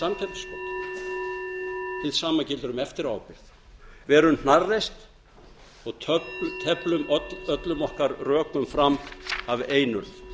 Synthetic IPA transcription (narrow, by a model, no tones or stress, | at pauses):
samcʰɛlt̪skɔt̪ | θɪðsaːmacɪlt̪ʏɾʏmɛft̪ɪɾaːwpɪɾθ | vɛːɾʏmn̥arːejst̪ | ɔɣt̪ʰt̪ʰɛplʏmœt̪lʏmɔhkaɾrœːkʏmfɾamaveːjnʏl